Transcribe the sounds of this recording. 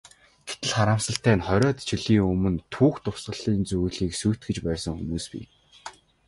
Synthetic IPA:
ɡ̥et̪ɘ̆ɮχaɾaːmsə̆ɬt̪æːnχɔɾʲɔːt̪t͡ɕʰĭɮiːŋɵmɵ̆nt̪ʰuːxt̪ʊsɢə̆ɮiːnt͡sujɮiːksujʰt̪̚ɡɘ̆t͡ɕpæːsə̆ŋxṵmuːspḭː

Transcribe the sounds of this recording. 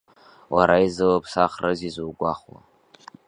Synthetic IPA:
waɾaizɨlapʰʼsaχrɨzizuːɡʷaχwa̰

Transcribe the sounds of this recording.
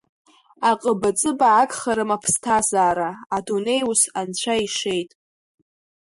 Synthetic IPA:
aqʼəbat͡sʼɨbaʕakʼχaɾɨmapʰstʰazaːɾaːdune̞jusant͡ɕʷʰaiʂe̞jtʼ

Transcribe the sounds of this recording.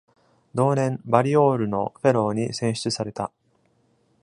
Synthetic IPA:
d̪o̞ːnẽ̞mbaɾʲio̞ːɾɯ̟no̞ɸe̞ɾo̞ːɲ̟isẽ̞ɰ̃ɕi̥t͡sɨsaɾe̞t̪a̰

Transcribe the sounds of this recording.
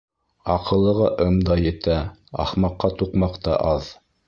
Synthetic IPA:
ɑqɤ̆lˠːɤ̆ʁɑʔɤmd̪ɑjɘ̆t̪æɑ̰χmɑqːɑt̪uqmɑqt̪ɑ̰ʔɑð

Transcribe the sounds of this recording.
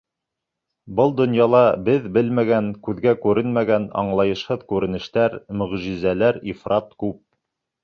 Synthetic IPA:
bɤlˠd̪ŏnjɑlˠɑbɘðbɘlmæɡæŋkʉðɡækʉɾɘnmæɡænɑ̰ɴlˠɑjɤ̆ʃhɤðkʉɾɘ̆nɘ̆ʃt̪æɾmɵ̆ʁʒizælæɾifrɑt̪kʉp̚

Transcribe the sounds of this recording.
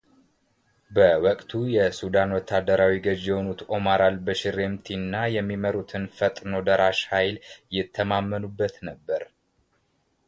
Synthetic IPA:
bəwɔkʼt̪ʰujɛsud̪anwɔt̪ʰːad̪ːəɾawiɡəd͡ʒjɛho̞nut̪ʔo̞maɾalbəʃɪɾe̞mt̪ʰinːajɛmːiməɾut̪ʰɨnfət̪ʼno̞d̪əɾaʃhajljɪt̪ʰːəmamːənubːət̪nəbːəɾ

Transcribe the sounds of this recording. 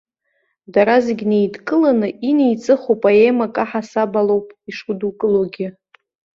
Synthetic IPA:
daɾazɪɡʲnejdkʼɨlanɨʔinejt͡sʼɨχowpʼaemakʼaħasabalo̞wpʼiʂudukʼɨloɡʲɪ

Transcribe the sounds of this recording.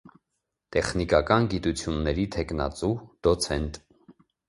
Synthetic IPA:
t̪ɛχnikɑkɑnɡit̪ut͡sʰjunːɛɾit̪ʰɛknɑ̰t͡sud̪̥ɔt͡sʰɛnt̪

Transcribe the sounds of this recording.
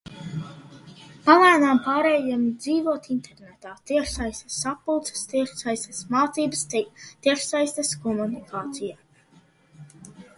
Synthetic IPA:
palˠaːnaːmpaːɾɛːjamid̪ziːvuɔt̪int̪ɛɾnɛt̪aːt̪iɛʃsajst̪ə̥sapːulˠt̪sɛ̥st̪iɛʃsajst̪ɛsmaːt̪siːbəst̪iɛʃsajst̪ɐskɔmunikʰaːt̪sijaː

